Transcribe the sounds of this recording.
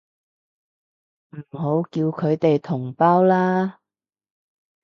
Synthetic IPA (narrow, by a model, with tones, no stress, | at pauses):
m̩˨˩ɦo˨˥wkiː˧wkʰɵ˨˧ɥt̪e˨jt̪ʰʊ˨˩ŋpaː˥wlaː˥